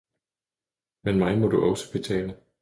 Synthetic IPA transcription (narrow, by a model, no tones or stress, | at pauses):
menmɑ̈ɪmɒ̽duʔɒ̽sə̥b̥e̝t͡sʰɛ̰ːlə